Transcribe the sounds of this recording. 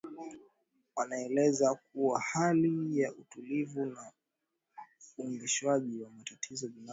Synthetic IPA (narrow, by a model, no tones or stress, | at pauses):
wanaɛlɛzak̚uwahalijaʔutulivuna | uŋɡiʃwaʄiwamatatʰizɔɗuna